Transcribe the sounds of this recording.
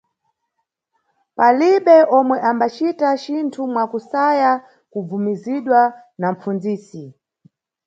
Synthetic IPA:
paliɓɛʔɔmwɛʔambat͡ʃitat͡ʃintʰumwakusaja | kub͡vumiziɗwa | nam̩p͡fund͡ziːsi

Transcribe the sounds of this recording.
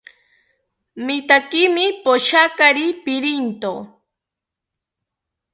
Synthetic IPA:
mɪt̪akɪmɪpoʃakaɾipɪɾint̪o̰

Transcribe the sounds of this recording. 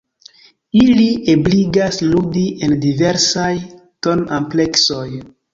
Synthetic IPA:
iliʔebliɡasludiʔe̞ndive̞ɾsaj | to̞nample̞kso̞j

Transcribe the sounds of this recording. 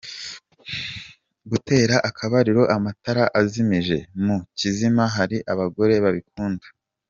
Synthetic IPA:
ɡute̞ːɾaʔakʰaβaɾiɾo̞ʔamataɾaʔazimiʒe̞mucizimaɦaɾiʔaβaɡo̞ɾe̞βaβik̚uːndḁ

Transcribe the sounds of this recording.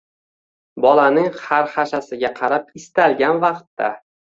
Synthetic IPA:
bɒlanɪŋχaɾχaʃasɪɡʲaqʰɑɾapɪst̪alɡʲanvɑqt̪ːa̰

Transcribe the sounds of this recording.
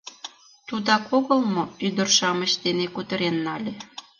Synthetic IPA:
t̪ud̪ɑkoɣəlmoyd̪ərʃɑməɕd̪enekut̪əɾenːɑlʲe

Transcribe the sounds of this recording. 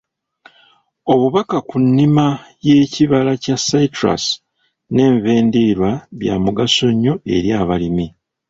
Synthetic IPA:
o̞βuβakakunːimaje̞ːciβalacasatɾa̰s | ne̞ːɱve̞ːndiɾwaβja̰muɡaso̞ɲːo̞e̞̰ɾjaːβalimi

